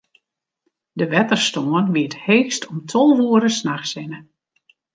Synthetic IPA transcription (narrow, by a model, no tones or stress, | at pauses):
dəʋɛtərstoənʋiətheːxstɔmtʰɔlˠʋuəɾəsnaxsɪnə